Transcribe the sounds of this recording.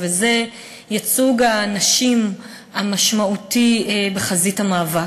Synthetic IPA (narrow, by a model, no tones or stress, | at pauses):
veze | jat͡suɡanaʃim | amaʃmautibeχazithamaːva